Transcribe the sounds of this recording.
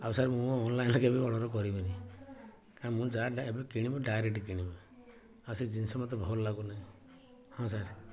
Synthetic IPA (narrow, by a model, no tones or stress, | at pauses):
absaɾmũɔnlajnɔkebiɔɽ̃ɔɾɔk̬ɔɾibini | kãmũd͡ʒaɖebekiɽ̃ibɔɖajɾekʈkiɽ̃ibɔ | asid͡ʒinsɔmɔt̪̬ɔbʱɔllaɡunaɦĩ | hɔ̃s̬aɾ